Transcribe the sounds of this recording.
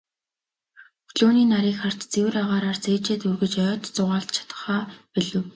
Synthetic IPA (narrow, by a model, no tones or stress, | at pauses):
xɮoːniːnaɾiːkχar̥t̪t͡sewɘ̆ɾaʁaːɾaːrt͡seːt͡ɕeːt̪urɣɘ̆t͡ɕœːt̪t͡sʊʁaːɬt̪̚t͡ɕʰḁt̪ə̥̆χaːpiɮɘ̆w